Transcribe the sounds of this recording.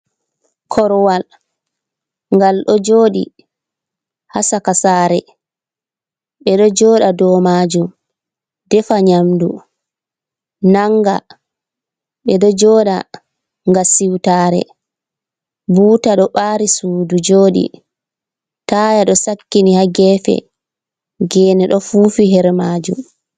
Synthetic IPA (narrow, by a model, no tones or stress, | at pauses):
kʰɔɾwal | ŋɡalɗɔd͡ʒoːɗḭ | hasakasaːɾɛ | ɓɛɗɔd͡ʒɔːɗadɔːmaːd͡ʒum | dɛfaɲamdu | naŋɡa̰ | ɓɛɗɔd͡ʒɔːɗa | ŋɡasiwtaːɾɛ̰ | buːtaɗɔɓaːɾisuːdud͡ʒoːɗḭ | taːjaɗɔsakːinihaɡɛːfɛ̰ | ɡɛːnɛɗɔfufiɦɛɾmaːd͡ʒṵm